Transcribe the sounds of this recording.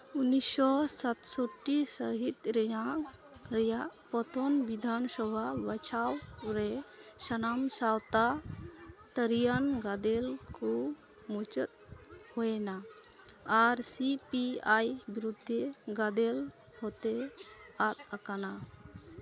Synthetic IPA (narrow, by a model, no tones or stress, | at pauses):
unisɔsat̪sɔʈːisəɦit̪ɾɛja | ɾɛjaʔpɔt̪ɔnbid̪ʱansɔbʱabat͡ʃʰawɾɛsənamsawt̪a | t̪əɾijanɡad̪ɛlku | mut͡ʃət̪̚hɔɛnaː | ɾsipiajbɾud̪ʱːeɡad̪el | hɔt̪eat̪̚akana